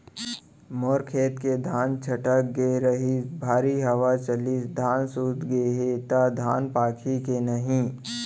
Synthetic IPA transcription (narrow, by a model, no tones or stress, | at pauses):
moːɾkʰeːt̪ked̪ʱaːnt͡ʃʰɐʈək̚ɡeɾəɦibʱaːɾiɦɐʋat͡ʃɐlisd̪ʱaːnsuːt̪ɡeɦet̪ad̪ʱaːnpaːkʰikenɐɦĩ